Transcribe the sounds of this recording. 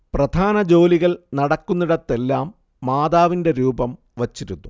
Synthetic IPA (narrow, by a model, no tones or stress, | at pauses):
prɐd̪ʱaːnɐd͡ʑo̞ːliɣɐɭnɐɽɐkːunːiɽɐt̪ːe̞lːaːmː | aːd̪aːʋinde̞ɾuːbɐm | ʋɐt͡ɕːiɾunːu